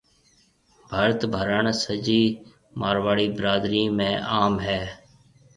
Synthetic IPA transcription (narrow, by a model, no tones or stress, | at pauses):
bʱaːɾət̪bʱəɾəɳsəd͡ʒiː | maːɾʋaːɭiːbəɾaːd̪ɾiːmẽːʔaːmɦɛː